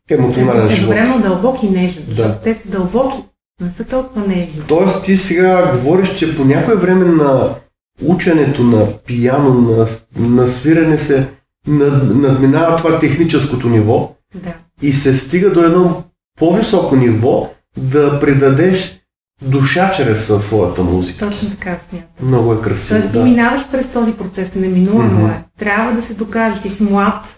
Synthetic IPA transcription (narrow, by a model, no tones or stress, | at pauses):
ɛmot̪sionalɛnivɔɾɛmod̪ɐlˠbɔkinɛʒid̪aat̪ɛsəd̪ɐlˠbɔkʲi | nɛsət̪ɔlˠkʊvɐnɛʒit̪ɔɛst̪isɛɡaɡovɔɾiʃt͡ʃɛponʲakoɛvɾɛmɛnɐ | ut͡ʃɐnɛt̪onɐpijanonɐnɐsviɾɐnɛsɛ | nnɐd̪minavɐt̪ovat̪ɛxnit͡ʃɛskot̪onivɔ | d̪a | isɛst̪iɡəd̪oɛd̪nɔ | povisɔkonivɔ | d̪ɐpɾid̪ɐd̪ɛʃ | d̪uʃat͡ʃɾɛssːvɔjɐt̪əmṵzik̪ɔt͡ʃnot̪ɐ̥kasmʲjat̪əmnɔɡʊɛkɾɐsiɔɛst̪d̪iminavɐʃpɾɛst̪ɔzipɾot̪sɛsnɛminulˠɐnoɛt̪ɾʲjabvəd̪ɐsɛd̪okaʒɛʃt̪isimlˠat̪